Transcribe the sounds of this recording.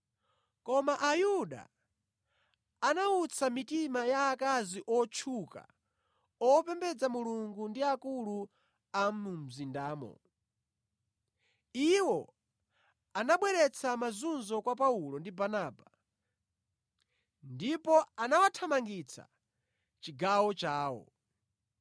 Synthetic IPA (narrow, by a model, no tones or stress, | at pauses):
kɔmaʔajuɗa̰ | anaut͡sʰamitimajaːkaziʔɔt͡ʃʰuka̰ | ɔpɛmbɛd͡zamuluŋɡundiakulu | amum̩zindaːmɔ̰ | iwɔ | anaɓwɛɾɛt͡sʰamazunzɔkwap̬aulɔndibanaːba | ndipɔanawatʰamaŋɡit͡sʰa̰ | t͡ʃiɡawɔt͡ʃaːwɔ̰